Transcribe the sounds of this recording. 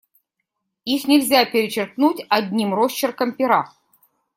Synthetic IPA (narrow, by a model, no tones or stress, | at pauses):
ixnʲɪlʲzʲapʲɪɾʲɪt͡ɕɪrknutʲɐdʲnʲimrost͡ɕɪrkəmpʲɪɾa